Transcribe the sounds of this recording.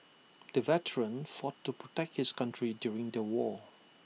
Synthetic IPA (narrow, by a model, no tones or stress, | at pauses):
d̪̥əvɛtʰəɹə̃nfɔtːupɹɔtɛk̚thɪskãntʰɹidjuɹɪ̃ŋdəwɔ